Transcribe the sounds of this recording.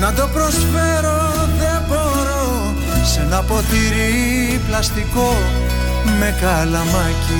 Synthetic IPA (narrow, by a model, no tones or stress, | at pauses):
nɐd̪o̞pɾo̞sfeɾo | ðe̞bo̞ɾo | senɐpo̞t̪iɾi | plɐst̪iko̞ | me̞kɐlɐmɐci